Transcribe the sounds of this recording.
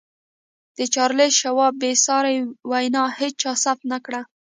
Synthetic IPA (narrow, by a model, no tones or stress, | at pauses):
d̪̥ət͡ʃɑɾleʃawɑbesɑɾawajnɑhet͡st͡ʃɑsaft̪nakɽa